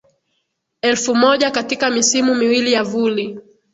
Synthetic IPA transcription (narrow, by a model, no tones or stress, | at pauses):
ɛlfumɔʄakatikamisimumiwilijavuli